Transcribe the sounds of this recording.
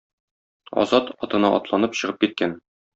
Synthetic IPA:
ɒ̰zɑt̪ɒt̪ɤ̆nɑʔɒ̰t̪lˠɑnɤpɕɤ̆ʁɤp̚kit̪̚kæn

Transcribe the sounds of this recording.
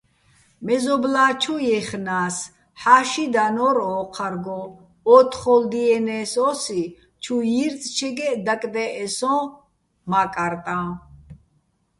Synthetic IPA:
mɛzɔblaːt͡ʃʰɔjɛχnaːs | ħaːʃid̪anɔɾɔːqʰaɾɡɔ̃ | ɔt̪ʰχɔld̪iɛnɛːsɔsi | t͡ʃʰujiɾt͡sʼt͡ʃʰɛɡɛd̪akʼd̪ɛʔɛsɔ̃ | makʼaɾt̪ʼã

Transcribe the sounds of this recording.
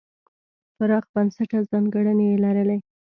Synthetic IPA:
faɾɑqbansaʈazɑŋɡaɽənejelaɾəle

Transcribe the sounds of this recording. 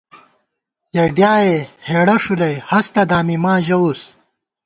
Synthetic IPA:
jɐɖjaːeheːɽɐʂulɐjhɐst̪ɐd̪aːmimãːʑɐwus

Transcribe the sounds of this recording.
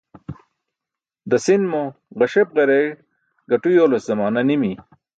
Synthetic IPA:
d̪ɐsinmo | ʁɐɕep̚ʁɐɾeɻ | ɡɐʈujoːloszɐmaːnɐnimi

